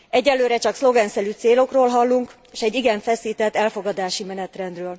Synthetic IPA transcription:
ɛɟːɛlːøːɾɛt͡ʃɒkslo̞ɡɛnsɛlyːt̪seːlo̞kroːlɦɒlːuŋkː | ʃɛɟːiɡɛɱfɛsiːt̪ɛt̪ːɛlfo̞ɡɒd̪aːʃimɛnɛt̪rɛnd̪røːl

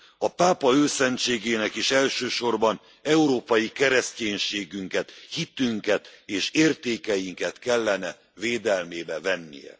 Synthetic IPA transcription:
ɒpaːpɒøːsɛnt̪t͡ʃeːɡeːnɛkiʃɛlʃøːʃo̞rbɒn | ɛuɾoːpɒjikɛɾɛsceːɲʃeːɡyŋkɛt̪hit̪yŋkɛt̪eːʃeːrt̪eːkɛjiŋkɛt̪kɛlːɛnɛ | veːd̪ɛlmeːbɛvɛnːḭjɛ̰

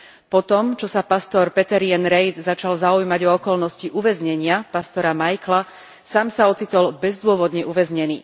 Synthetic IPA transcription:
pɔt̪ɔmt͡ʃɔsapast̪ɔɾpɛt̪ɛɾɪɛnɾɛjd̪zat͡ʃalzaujmaɟɔɔkɔlnɔsciʔuʋɛzɲɛɲɪapast̪ɔɾamajkla | saːmsaɔt͡sit̪ɔlbɛzd̪ʊɔʋɔd̪ɲɛʔuʋɛzɲɛnḭː

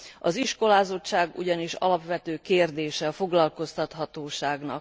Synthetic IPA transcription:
ɒziʃko̞laːzo̞t͡ʃt͡ʃːaːɡṵɟɒniʃɒ̰lɒpʋɛt̪øːkeːrd̪eːʃɛfo̞ɡlɒlko̞st̪ɒt̪ɦɒt̪oːʃaːɡnɒ̰k

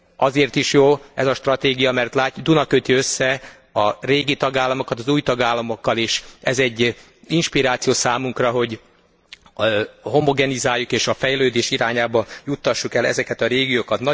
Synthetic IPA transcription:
ɒzeːrt̪iʃjoːɛzɒʃt̪rɒt̪eːɡijɒmɛrt̪laːd̪unɒkøt̪iøsːɛ | ɒreːɡit̪ɒɡaːlːɒmo̞kɒt̪ɒzuːjt̪ɒɡaːlːɒmo̞kːɒleːʃɛzɛɟː | inʃpiɾaːt̪sijoːsaːmuŋkrɒɦo̞ɟ | ho̞mo̞ɡɛnizaːjːukeːʃɒfɛjløːd̪eːʃiɾaːɲaːbɒjut̪ːɒʃːukɛlɛ̰zɛkɛt̪ɒɾeːɡijoːkɒt̪nɒ

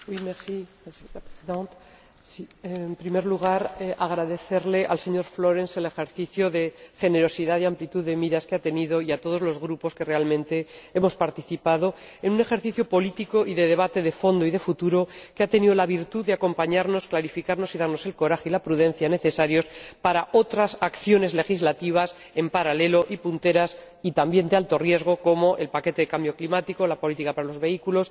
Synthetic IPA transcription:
ojmesi | pesient̪ | siempɾime̞ɾluɣ̞aɾeʔaɣ̞ɾaðe̞θe̞ɾle̞ʔalse̞ɲo̞ɾflo̞ɾe̞nse̞le̞xe̞ɾθiθjoðe̞xe̞ne̞ɾo̞siðaðeamplit̪uðemiɾaskeat̪e̞nið̞o̞iat̪o̞ð̞ozlo̞zɣ̞ɾupo̞ske̞re̞almẽ̞nt̪e̞e̞mo̞spaɾt̪iθipað̞o̞e̞nũne̞xe̞ɾθiθjopolit̪iko̞ʔiðe̞ðe̞β̞at̪e̞ðe̞fo̞nd̪oiðe̞fut̪uɾo̞keat̪e̞niðolaβiɾt̪uðe̞ako̞mpaɲaɾno̞sklaɾifikaɾno̞siðaɾno̞se̞lko̞ɾaxeilapɾuð̞e̞n̟θjane̞θe̞saɾjo̞spaɾaʔo̞t̪ɾasakθjo̞ne̞zle̞xizlat̪iβ̞as | e̞mpaɾale̞lo̞ʔipunt̪e̞ɾas | it̪ambje̞nd̪ealt̪o̞rje̞zɣ̞o̞ko̞mo̞ʔe̞lpake̞t̪ee̞kambjo̞klimat̪ikolapo̞lit̪ikapaɾalo̞zβe̞ikulo̞s

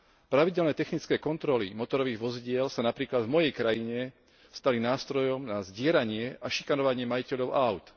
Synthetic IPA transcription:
pɾaʋiɟɛlnɛːt̪ɛxnit͡skɛːkɔnt̪ɾɔlimɔt̪ɔɾɔʋiːɣʋɔziɟɪɛlsanapɾiːklad̪vmɔjɛjkɾajiɲɛ | st̪alinaːst̪ɾɔjɔmnazɟɪɛɾaɲɪɛʔaʃi̥kanɔʋaɲɪɛmajicɛʎɔʊʔaʊt̪

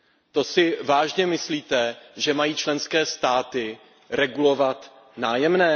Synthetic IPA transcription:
t̪o̞sɪvaːʒɲɛmɪsliːt̪ɛʒɛmajiːt͡ʃlɛnskɛːst̪aːt̪ɪ | ɾɛɡulo̞vat̪ | naːjɛmnɛː

